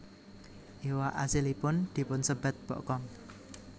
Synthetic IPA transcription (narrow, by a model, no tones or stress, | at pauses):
ʔiwaʔasilipʊnd̪̥i̤pʊnsəb̥a̤t̪̚b̥ɔ̰ʔkɔŋ